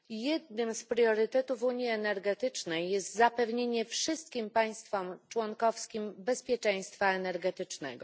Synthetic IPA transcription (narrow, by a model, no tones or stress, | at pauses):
jɛd̪̚nɘmspɾjɔɾɘt̪ɛt̪uvuɲiɛnɛɾɡɛt̪ɘt͡ʂnɛjːɛst̪zapɛvɲeɲɛfʂɘst̪kʲimpaj̃st̪fɔmt͡ʂwɔŋkɔfskʲimbɛspʲjɛt͡ʂɛ̃j̃st̪faɛnɛɾɡɛt̪ɘt͡ʂnɛ̰ɡɔ̰